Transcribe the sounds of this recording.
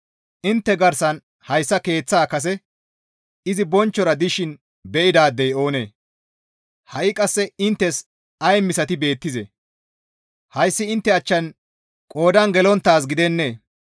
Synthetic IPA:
ʔɪnt̪ːɛɡɐɾsɐn | hɐjsːɐke̞ːt͡sːaːkɐs̬ɛ | ɪzɪbɔnt͡ʃːɔɾɐd̪ɪʃɪn | bɛʔɪd̪aːd̪ːɛjo̞ːnḛː | hɐʔɪkʼɐsːɛɪnt̪ːɛs | ɐjmɪsɐt̪ɪbe̞ːt̪ːɪzɛ̰ | hɐjsːɪɪnt̪ːɛɐt͡ʃːɐn | kʼo̞ːd̪ɐnɡɛlɔnt̪ːaːs̬ɡɪd̪ɛnːeː

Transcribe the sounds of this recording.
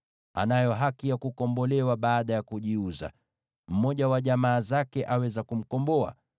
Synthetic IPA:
a̰najɔɦakijakukɔmbɔlɛwaɓaːɗajakuʄiuza̰ | m̩mɔʄawaʄamaːzakɛʔawɛzakum̩kɔmbɔa̰

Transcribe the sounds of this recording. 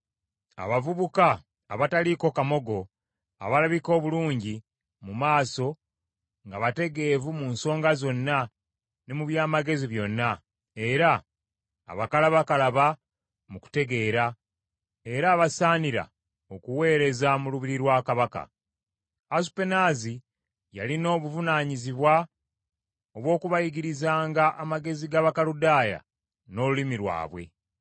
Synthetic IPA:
a̰βavuβukaː | βataliko̞kamo̞ɡo̞ | a̰βalaβiko̞ːβuluːɲɟi | mumaːso̞ | ŋɡaβate̞ɡe̞ːvumunso̞ːŋɡazo̞nːa | nemuβjaːmaɡe̞ziβjo̞nːa | e̞ɾa̰ː | βakalaβakalaβa | muku̥te̞ɡe̞ːɾa | e̞ɾaːβasaːniɾa̰ | o̞kuwe̞ːɾe̞zamuluβiɾiɾwaːkaβaka̰ | asu̥pe̞naːzi | ja̰lino̞ːβuvunaːɲiziβwa | o̞βwo̞ːkuβajiɡiɾizaːŋɡaʔamaɡe̞ziɡaβakaludaːja̰ | no̞lulimiɾwa̰ːβwe̞̰

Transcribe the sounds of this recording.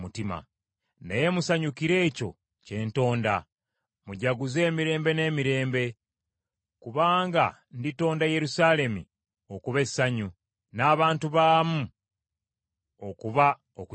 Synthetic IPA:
mutima̰ | neje̞musaɲukiɾe̞ːco̞̰ | ce̞ːnto̞ːnda | muɟaɡuze̞ːmiɾe̞ːmbe̞ne̞ːmiɾe̞ːmbe̞ | kuβaːŋɡa | ndito̞ːndaje̞ɾusaːle̞mḭ | o̞kuβe̞sːaɲu | naːβaːntuβaːmu | o̞kuβa | oku

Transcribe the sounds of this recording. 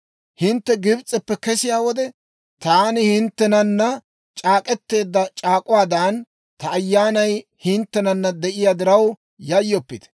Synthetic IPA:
hɪnt̪ːɛɡɪbt͡sʼɛpːɛkɛsɪjaːwɔd̪ɛ | t̪aːnɪhɪnt̪ːɛnɐnːɐ | t͡ʃʼaːkʼɛt̪ːe̞ːd̪ːɐt͡ʃʼaːkʼʊwaːd̪ɐn | t̪ɐːjːaːnɐjhɪnt̪ːɛnɐnːɐd̪ɛʔɪjaːd̪ɪɾɐw | jɐjːɔpːɪd̪ɛ̥

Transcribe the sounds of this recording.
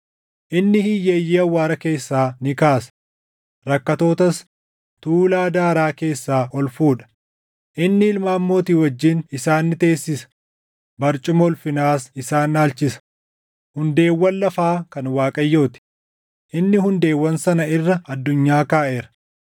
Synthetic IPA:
ʔɪnːɪhijeːjːiːɐwːaːɾɐke̞ːsːaːnɪkaːsɐ̥ | ɾɐkːɐt̪o̞ːt̪ɐs | t̪uːlaːd̪aːɾaːke̞ːsːaːʔɔlfuːᶑɐ̥ | ʔɪnːɪɪlmaːmːo̞ːt̪iːwɐd͡ʒːiːnɪsaːnːɪt̪e̞ːsːɪsɐ̥ | bɐɾt͡ʃʼʊmɔlfɪnaːsɪsaːnːaːlt͡ʃɪsɐ̥ | hʊnd̪e̞ːwːɐnlɐfaːkɐnwaːkʼɐjːo̞ːt̪ɪ̥ | ʔɪnːɪhʊnd̪e̞ːwːɐnsɐnɐɪrːɐɐd̪ːʊɲːaːkaːʔe̞ːɾɐ̥

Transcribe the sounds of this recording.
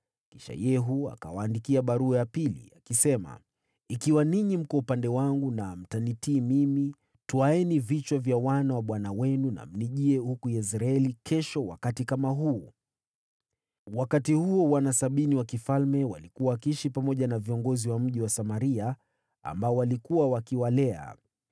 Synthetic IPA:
ki̥ʃa̰jɛɦua̰ka̰waːndikiaɓaɾuajapilḭakisɛma̰ | ikiwaniɲim̩kɔupandɛwaŋɡunam̩tanitiːmimi | tuaɛnivit͡ʃwavjawanawaɓwanawɛnuna̰m̩niʄiɛhukujɛs̬ɾaɛlikʰɛʃɔwa̰katikamaɦuː | wakatihuɔwanasaɓiniwakifalmɛwa̰likuwakiʃipamɔʄanaviɔŋɡɔziwam̩ʄiwasamaɾia | a̰mbaɔwalikuawakiwalɛa̰

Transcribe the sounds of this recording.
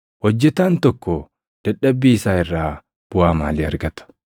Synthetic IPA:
hɔd͡ʒːɛt̪aːnt̪ɔkːɔ | d̪̥ɐᶑːɐbːiːɪsaːɪrːaː | b̥ʊaːma̰ːliːɐɾɡɐt̪ɐ̥

